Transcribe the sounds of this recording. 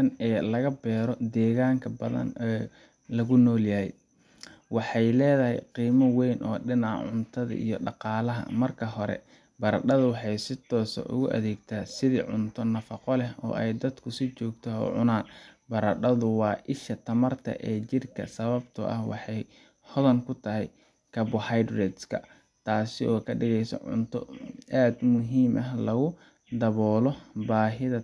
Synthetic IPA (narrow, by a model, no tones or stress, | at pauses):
ɐnɛːlɐɣɐbɛːɾɔd̪ɛːɣaːŋkʰɐbɐðɐ̰nɛː | lɐɣʊnɔːljɐɦɛj | wɑħɑjlɛːðɐɦɛjqiːmɐwɛjnʔɔ̰ːɖɪnɑʕ̰ʕʊnt̪ʰɐðɐ̰ʔḭjɔɖɑqɑːlɐɦɐ̰mɐrkʰɐɦɔɾɛ̰ | bɐɾɐ̰ɖɐðʊwɑħɑjsɪt̪ʰɔːsɔ̰ʔʊ̰ɣʊʔɐ̰ðɛːɡt̪ʰaːsɪðḭːʕʊnt̪ʰɔnɐfɑqɔlɛɦɔ̰ːʔɛjd̪ɐd̪kʰʊsɪt͡ʃɔːɡt̪ʰɐɔ̰ʕʊnaːnbɐɾɐɖɐðʊwɑːʔɪʃɐt̪ʰɐmɐrt̪ʰɐ̰ʔɛːt͡ʃɪrkʰɐ̰sɐβɐbt̪ʰʊ̰ʔɐ̰hwɑ̰ħɑj | hɔðɐŋkʰʊt̪ʰɐɦɛj | kʰɐbʊhajd̪rɛd̪skʰɐ | t̪ʰaːsɪʔɔːkʰɐɖɪɣɛjsɔ̰ʕʊ̰nt̪ʰɔaːd̪mʊɦiːmʔɐɦlɐɣʊ | d̪ɐβɔːlɔbaːɦɪðɐ